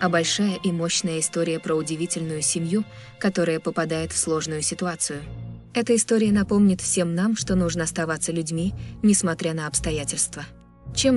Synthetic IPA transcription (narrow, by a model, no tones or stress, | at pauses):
ɐbɐlʲʂajəʔimo̞ɕnəjəɪst̪o̞ɾʲɪjəpɾəʊdʲɪvʲitʲɪlʲnʊjʊsʲɪmʲju | kɐt̪o̞ɾəjəpəpɐd̪ajɪt̪fslˠo̞ʐnʊjʊsʲɪt̪ʊat̪sɨjʊ | ɛt̪əɪst̪o̞ɾʲɪjənɐpo̞mnʲɪt̪fsʲe̞mnamʂt̪o̞nuʐnəɐst̪ɐvat̪səlʲʉdʲmʲinʲɪsmɐt̪ɾʲanəɐpst̪ɐjætʲɪlʲst̪və | t͡ɕe̞m